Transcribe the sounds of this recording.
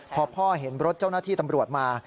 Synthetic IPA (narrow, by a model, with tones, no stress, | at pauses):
pʰɔː˧pʰɔː˥˩ɦe˩˦nɾo˦˥t̪̚t͡ɕa˥˩wnaː˥˩t̪ʰiː˥˩t̪a˧mɾu˨˩ət̪̚maː˧